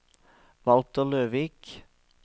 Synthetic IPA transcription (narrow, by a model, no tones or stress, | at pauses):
ʋɑlt̪əløːʋiːk